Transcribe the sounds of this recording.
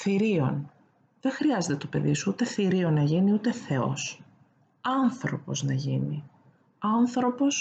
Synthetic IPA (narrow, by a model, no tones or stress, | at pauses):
θiɾio̞̰n | ðe̞ŋxɾiɐze̞t̪e̞t̪o̞pe̞̰ðisuut̪e̞θiɾio̞nɐʝiniut̪e̞θe̞o̞̰s | ɐnθɾo̞po̞̰znɐʝini | ɐnθɾo̞po̞s